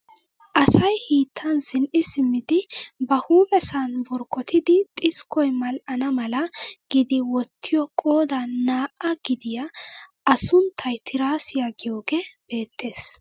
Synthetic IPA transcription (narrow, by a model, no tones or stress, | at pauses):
ʔɐsɐjhiːt̪ʰːɐnsɪnɪsɪmːɪd̪ɪbɐhuːpʼɛsanbɔɾkɔt̪ʰɪd̪ɪt̪ʼɪskɔjmɐlʔɐnɐmɐlɐɡ̥ɪd̪ɪwɔt̪ːɪjɔkʼo̞ːd̪ɐnːaːʔɐɡɪd̪ɪjɐ | ɐsʊnt̪ʰːɐjt̪ʰɪɾaːsɪjaɡɪjo̞ːɡeb̥e̞ːt̪ːe̞ːs